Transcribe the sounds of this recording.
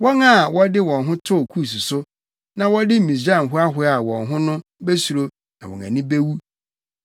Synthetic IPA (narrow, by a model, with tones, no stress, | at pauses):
wɔ˦ŋa˦˨wɔ˦dɪ˦wɔ̃˨nɦʊ̃˦tʰʊ˦˨kʰu˦˨s̬u˨sʊ˦ | nã˨wɔ˦dɪ˦˨mĩ˨sd͡ʑã˦˨ɦʊ˦a˦ɦʊ˦a˦˨wɔ̰̃˨nɦʊ̃˦nʊ̃˦be˦su˨ɾo˦ | nã˨wɔ̰˨ŋã̰˨nĩ˦be˦wu˦